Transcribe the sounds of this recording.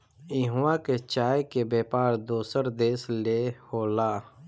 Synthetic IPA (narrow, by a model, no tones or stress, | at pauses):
iɦuwãket͡ʃaːjkebeːpaːɾd̪oːsəɾd̪eːslehoːlaː